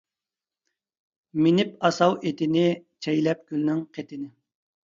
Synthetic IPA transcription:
mɪnɪpɑsɑwet̪ɪnɪt͡ʃʰɛjlɛp̚ɡʲylnɪŋqʰet̪ʰɪnɪ

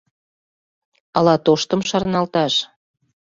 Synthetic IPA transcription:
ɑlɑt̪oʃt̪əmʃɑrnɑlt̪ɑʃ

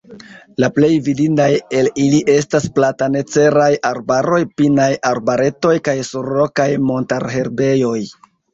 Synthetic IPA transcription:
laple̞jvidindaje̞liliʔe̞stasplatane̞t͡se̞ɾajʔaɾbaɾo̞jpinajaɾbaɾe̞to̞jkajsuɾːokajmo̞ntaɾɦe̞ɾbe̞jo̞j

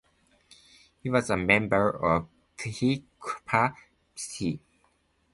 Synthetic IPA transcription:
hiwɔzəmɛ̃mbəɹɔv | kʰhikʰpʰa | sʰi

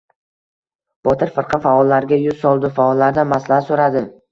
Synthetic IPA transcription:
b̥ɒt̪ʰɪɾfɨɾqʰɨnfaɒlːaɾɡʲajʊz̥sɒlˠd̪ɪfaɒlːaɾd̪anmaslahasoɾad̪ɪm

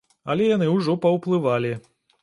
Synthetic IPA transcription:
ɐlʲɛjanɨwʐɔpɐwplˠɨvalʲi

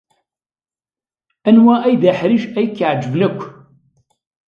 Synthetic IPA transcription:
ænwæʔæjðæħɾiʃæjkːəʕd͡ʒəvnækʷː

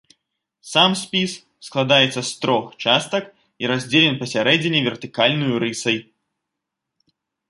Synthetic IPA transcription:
samsʲpʲis | sklˠad̪ajɛt̪sɐst̪ɾɔxt͡ʂast̪ɐk | iɾazʲd͡zʲelʲɛnpɐsʲaɾɛd͡zʲɪnʲːɛvʲɛrt̪ɨkalʲnujuɾɨsɐj

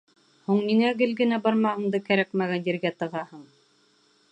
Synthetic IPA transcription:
huɴniŋæɡɘlɡɘ̆næbɑɾmɑhɤ̆ɴd̪ɤkæɾækmæɡænd̪iɾɡæt̪ɤ̆ʁɑhɤɴ

